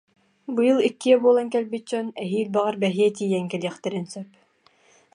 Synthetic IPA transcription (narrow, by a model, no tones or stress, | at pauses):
bɯjɯlˠikːiɛbuɔlˠaŋkɛlbit̪̚d͡ʑɔnɛɦiːlbaʁaɾbɛɦiɛt̪̬ijɛŋkɛliɛχt̪ɛɾinsœp